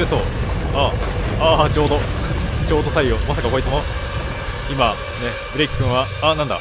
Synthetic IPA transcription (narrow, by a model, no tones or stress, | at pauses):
esoːaat͡ɕo̞ːd̪ot͡ɕo̞ːd̪o̞saiomasakako̞ɾitt͡sɨmo̞ | ima | ne̞ | b̥ɯ̟ɾeikːɯ̃ɰ̃βa | anãnd̪a̰